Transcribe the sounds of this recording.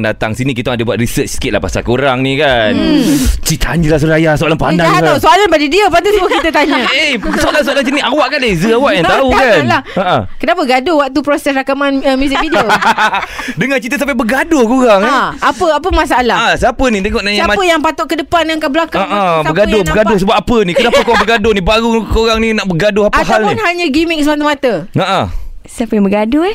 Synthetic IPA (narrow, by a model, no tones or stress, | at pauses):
ŋda̰t̪aŋsinĩkit̪ŋadəbuat̪ɾisət͡ʃsə̥kɪt̪̚la̰pa̰sa̰lkoɾaŋnĩkannt͡ʃit̪ʰa̰ɲd͡ʒəlahs̬uɾajasoʔalanpandaŋʔsoalanbadidiapat̪̬usəmək̪it̪ət̪aɲaesoalans̬oalansiniawaʔkandezəawaʔjaŋt̪aukanlahəʔə̃kənapəɡadowaʔ̚t̪upɾɔsɛsrakamanəmusɪfidio | dəŋant͡ʃit̪əs̬ampabəɡadʊkoɾaŋapəapəmas̬aalasapənĩt̪eŋɔʔnaiampəjaŋpat̪ʊʔkədəpanjaŋkabəlakaaŋʔaəɡadʊbəɡadʊsəbap̚ːapənĩkənapakoɾaŋbəɡadʊnibaɾʊkoɾaŋninaʔbəɡadʊhapaɦalninɦaɲəɡimɪk̚səmat̪̬amat̪əaʔə̰səapajbəɡadʊ